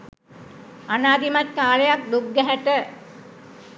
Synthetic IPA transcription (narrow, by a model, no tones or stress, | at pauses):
anaːd̪imat̪̚kaːlejak̚d̪uɡːæɦæʈə